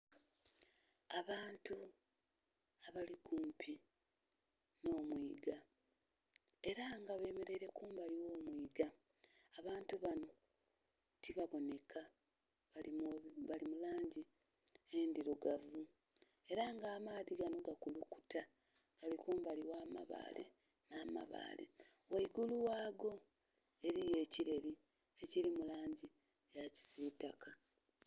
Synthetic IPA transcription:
aβaːntu | aβaliɡuːmpʰi | no̞ːmwiːɡa | e̞ɾaŋɡaβe̞ːme̞ɾe̞ɾe̞kuːmbaliwo̞ːmwiːɡaː | βaːntuβano̞ | tiβaβo̞ne̞kʰa | βalimulaːɲɟi | endiɾuɡavu | e̞ɾaŋɡaːmaːðiɡano̞ɡakuluku̥ta | ɡalikuːmuβaliwaːma̰βa̰ːle̞̰ | naːma̰βa̰ːlḛ | waiɡuluwaːɡo̞ | e̞ɾije̞ːciɾe̞ɾi | e̞ciɾimulaːɲɟi | jaci̥siːtaka

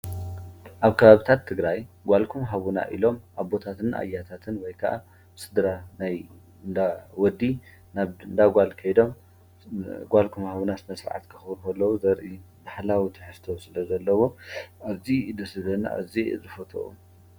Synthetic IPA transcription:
ʔaβkʰɐβaβit̪ʰat̪ʰːɨɡɾajɡʷalkʰumɦaβuna̰ʔḭlo̞mʔaβbo̞t̪ʰat̪ʰɨnʔa̰jːat̪ʰat̪ʰɨnwɔjkʰɐʔa̰ | sɨd̪ɾanaj | nd̪awɔd̪ːi | naβɨnd̪aɡʷalkʰɐjd̪o̞m | ɡʷalkʰumhaβunasnɐsɾʕa̰t̪kʰɨxɨβɾxɐlːɐwuzɐɾʔi | baħlawit̪ʰɨħɨst̪ʰosɨlɐzɐlːɐwo̞ʔaβzid̪ɐsɨlɐna̰ʔa̰zizɨfɐt̪ʰʼo̰ʔṵ

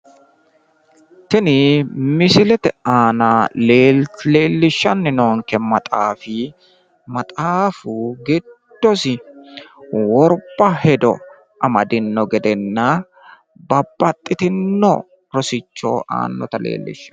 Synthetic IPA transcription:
t̪ɪnɪmɪsɪlɛt̪ɛaːnaleːle̞ːlːɪʃːɐnːɪnoːŋkɛmɐt̪ʼaːfi | mɐt̪ʼaːfuɡɛd̪̥ːɔsɪ | wɔɾbɐhɛd̪ɔ̰ | ʔɐmɐd̪ɪnːɔɡɛd̪ɛnːɐ | bɐbːɐt̪ʼːɪt̪ɪnːɔ̰ | ɾɔsɪt͡ʃːo̰ːʔa̰ːnːɔ̰t̪ɐlḛːlːɪ̰ʃːɐ̥

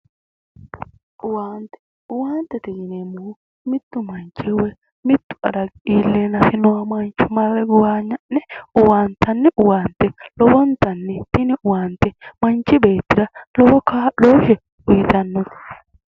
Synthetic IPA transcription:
ʔʊwaːnt̪ɛ̥ | ʊwaːnt̪ːɛt̪ɪjɪnemʊʊ | mɪt̪ːʊmɐnt͡ʃɪwɛ | mɪt̪ːʊ̥ɐ̰d̪ɐɡiːlːenɐfɪnʊwɐmɐnt͡ʃʊmɐrɛɡʊwaːɲːɐnːɛʊwaːnt̪ɐnːɛʔʊwaːnt̪ɛlɔbɔnt̪ɐnːɛt̪ɪnɪʊwaːnt̪ɛmɐnt͡ʃːɪbe̞ːt̪ːɪɾɐlɔbɔkaːloːhɛ | ʊjɪt̪ɐnːɔt̪

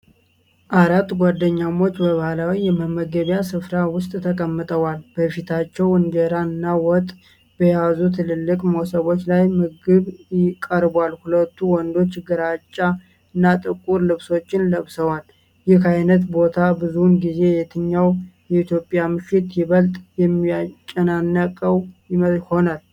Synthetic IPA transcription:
ʔaɾat̪ːɡʷad̪ːəɲːamo̞t͡ʃːbəβahlawijɛməmːəɡəβjasɨfɾawʊst̪ʼt̪ʰəkʼəmːɨt̪ʼəwalb̥əfit̪ʰat͡ʃːɛwɨnd͡ʒəɾaɨnːawɔt̪ʼ | b̥əjazut̪ʰɨlɨlːɨkʼmowsəβo̞t͡ʃːlajmɨɡɨβjɪkʼːəɾbwalhulət̪ːuwɔnd̪o̞t͡ʃːɡəɾat͡ʃʼːa | ɨnːat̪ʼɨkʼuɾlɨβso̞t͡ʃːɪnləβsəwal | jɪhajnət̪bo̞t̪ʰabɨzunɡize̞jɛt̪ʰɨɲːawjɛit̪jo̞pʼjamɨʃɪt̪jɪβəlt̪ʼjɛmːiat͡ʃʼːənanːəkʼəwjɪməho̞nal

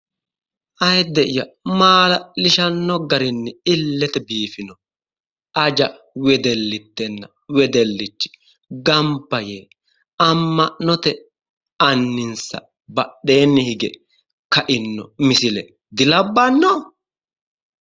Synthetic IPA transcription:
ʔɐjd̪ɛʔɪjɐmaːlɐlɪʃɐnːɔɡɐɾɪnːɪɪlːɛt̪ɛbiːfɪnɔ | ɐd͡ʒɐ | wɛd̪ɛlːɪt̪ːɛnːɐ | wɛd̪ɛlːɪt͡ʃːɪ̥ | ɡɐmpːɐjeː | ɐmːɐʔnɔt̪ɛ | ɐnːɪnsɐ̰ | bɐɗe̞ːnːɪhɪɡɛ̰ | kɐʔɪnːɔ̰mɪsɪlɛ | d̪ɪlɐbːɐnːɔ

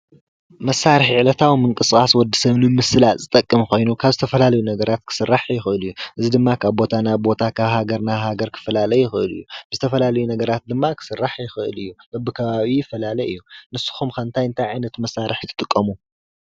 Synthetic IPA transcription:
mɐsːaɾɨħʕlɐt̪ʰawimɨŋkʼɨskʼaswɔd̪ːisɐβnɨmɨsɨlazɨt̪ʼɐkʼːɨmkʰo̞jnukʰaβzɨt̪ʰɐfɐlalɐjunɐɡɐɾat̪̚kʰɨ̥sɨrːaħjɪxɨʔɨlɨjːuʔɨzid̪ɨmːakʰaβbo̞t̪ʰanaβbo̞t̪ʰakʰaβhaɡɐɾnahaɡɐɾkʰɨ̥fɐlalɐjɪxɨɨlɨ̰jːub̥ɨzɨt̪ʰɐfɐlalɐjunɐɡɐɾat̪̚d̪ɨmːakʰɨ̥sɨrːaħjɪxɨʔɨ̰lɨjːubɐbːɨkʰɐβaβijɪfɐlalɐʔɨjːunɨsːɨ̥xumkʰɐnt̪ʰajɨnt̪ʰajʕajnɐt̪mɐsːaɾɨħt̪ʰːɨt̪ʼɨkʼːɐmu

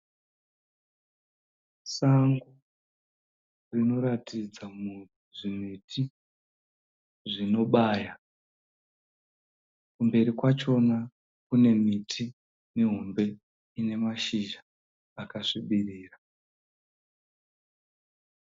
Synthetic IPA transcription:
saŋɡu | rino̞ɾatid͡zamu | ʐimitʰi | ʐino̞ɓaːja | kumbe̞ɾikwat͡ʃo̞na | kune̞mitʰi | miɦombe̞ | ine̞maʃiʒa | akaʂiɓiriːra

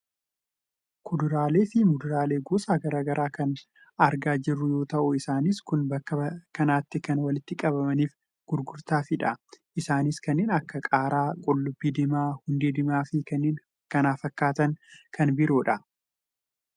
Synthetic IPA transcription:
kʰʊd̪ʊɾaːleːfɪmʊd̪ʊɾaːle̞ːɡoːsaːɡɐɾaːɡɐɾʔaːkɐn | ɐɾɡaːd͡ʒɪrːʊjo̞ːt̪ɐʔʊɪsaːnɪskʊnbɐkːɐkɐnaːt̪ːɪkɐnwɐlɪt̪ːɪkʼɐbɐmɐniːf | ɡ̥ʊɾɡʊɾt̪aːfɪᶑɐʔɪsaːnɪskɐnːeːnɐkːɐkʼaːɾaːkʼɔlːʊbːiːd̪ɪmaːhʊnd̪eːd̪ɪmaːfɪɐnː | kɐnaːfɐkːaːt̪ɐnkʰɐnbɪɾoːᶑɐ

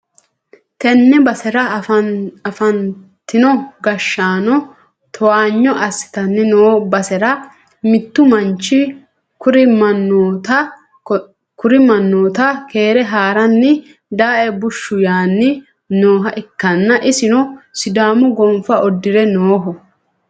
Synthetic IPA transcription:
t̪ɛnːɛbɐsɛɾɐ | ɐfɐn | t̪ːɪnɔɡɐʃːaːnɔ | t̪ʰɔwaːɲːɔʔɐsːɪ̥t̪ɐnːɛnoːbɐsɛɾɐ | mɪt̪ːʊmɐnt͡ʃːɪ | kʊɾɪmɐnːoːt̪ɐ | kʊɾɪmɐnːoːt̪ɐke̞ːɾɛɦaːɾɐnːɪ | d̪aːʔɛbʊʃːʊjaːnːɪ | noːɦɐʔɛkːɐnːɐʔɪsɪnɔsɪd̪aːmʊɡɔmfɐʔɔd̪ːɪɾɛnoːɦɔ

